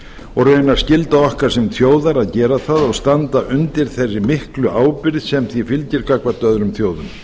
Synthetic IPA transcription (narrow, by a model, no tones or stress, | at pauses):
ɔɣrœːɥnaɾ̥scɪlt̪aɔhkaɾ̥sɛmθjoːwðaɾaðcɛːɾaθaðɔɣst̪ant̪aʔʏnt̪ɪɾ̥θɛrːɪmɪhklʏʔaːwpɪɾðsɛmθvifɪlcɪɾkakvat̪œðɾʏmθjoːwðʏm